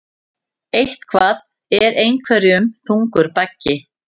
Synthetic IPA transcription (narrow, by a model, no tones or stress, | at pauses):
ejht̪kʰvaːθ | ɛɾejŋkʰvɛɾɪʏmθuŋkʏɾ̥pacːɪ